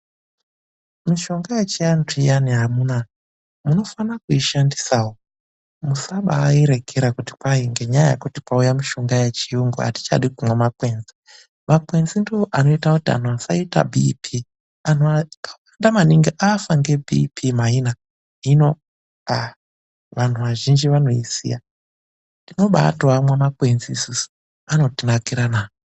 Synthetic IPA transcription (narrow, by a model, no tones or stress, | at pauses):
miʃo̞ŋɡajet͡ʃiantijaniɦamuna | muno̞fanakuiʃandisawo | musaɓaːiɾeɡʰʱeɾakuti̥kaiŋɡeɲaja̰kutipaujamiʃo̞ŋɡajet͡ʃijuŋɡṵa̰ti̥t͡ʃa̰ɗikumwemakwe̞nzi̥ | makwe̞nzindioʔano̞itakutia̰n̤uasaita̰bʱipʰi | anokawandamaniŋɡiʔafaŋɡe̞bʱḭpʰimaina | ino̞ | a | ʋan̤uʋaʒind͡ʒiʋano̞isḭja | dino̞ɓa̰twamwemakwe̞nziːsusu̥ | ano̞tinakiɾanaːo